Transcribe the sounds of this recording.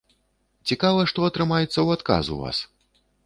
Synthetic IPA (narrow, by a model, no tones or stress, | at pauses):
t͡sʲikavɐʂt̪ɔɐt̪ɾɨmajɛt̪sːɐwat̪ka̰zṵva̰s